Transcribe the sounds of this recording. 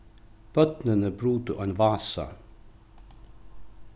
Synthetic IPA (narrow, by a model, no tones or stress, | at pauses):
b̥œd̪̥nənəbɾʉːt̪əʔːenʋɑːsɑ̰